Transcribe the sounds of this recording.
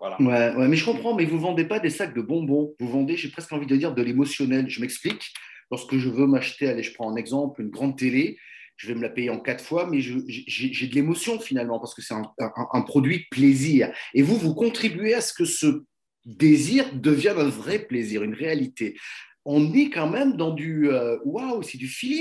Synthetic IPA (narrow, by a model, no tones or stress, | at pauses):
aawɛwɛmɛʒəkɔ̃pχɑ̃mɛvuvɑ̃d̪epad̪esak̚d̪əbɔ̃bɔ̃vuvɑ̃d̪eʒepχɛskɑ̃vid̪əəd̪iʁd̪əlemɔsjɔnɛlʒəmɛksplik | lɔʁskəʒəvømaʃt̪ealeʒəpχɑ̃ɛ̃nɛɡzɑ̃plynɡʁɑ̃d̪̚t̪ele | ʒ̥əvɛməlapejeɑ̃kat̪χfwamɛʒəʒeʒɛʒɛd̪əlemɔsjɔ̃finalmɑ̃paʁsə̥kəsɛt̪ɛ̃ɛ̃ʔɛ̃ʔɛ̃pχɔd̪ɥidəpleziːʁevuvukɔ̃t̪χibyeasə̥kəsə | d̪eziʁd̪əvjɛ̃ɛ̃vʁɛpleziʁynʁealit̪e | ɔ̃nɛkɑ̃mɛmd̪ɑ̃d̪yøwawsɛd̪yfili